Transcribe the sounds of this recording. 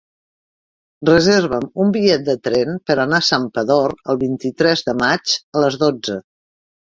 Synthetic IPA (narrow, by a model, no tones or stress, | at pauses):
rəzeɾβəmumbiʎɛt̪̚d̪ət̪ɾɛnpəɾənasampəðoɾəlˠβint̪it̪ɾɛzðəmad͡ʒələzðod͡zə